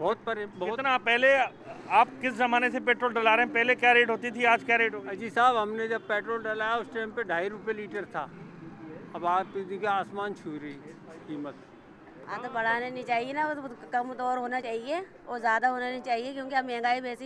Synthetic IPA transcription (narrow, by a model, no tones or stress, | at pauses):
bɔːt̪̚pɾbkɪnapɛɦle | aːpkɪszɐmaːnesepeːʈɾoːlɖəlaːɾeɦɛ̃pɛɦlekjaːɾeːʈɦoːt̪it̪ʰiaːd͡ʒkjaːɾeːʈɦoːɐd͡ʒiːsaːbɦɐmned͡ʒɐb̚peːʈɾoːlɖəlaːjaʊsʈẽːmpeɖʱaːiɾʊpjeliːʈəɾt̪ʰaː | ɐbãːt̪d̪ikeaːsmaːnt͡ʃʰuːɾi | kiːmət̪̚ | ɐ̰t̪bɐɽ̤aːnenĩt͡ʃaːɦienakɐmt̪ɔːɾɦoːnat͡ʃaːɦie | oːzjaːd̪aɦoːnanĩt͡ʃaːɦiekjõːkiamɛ̃ːŋɡaːibɛːsi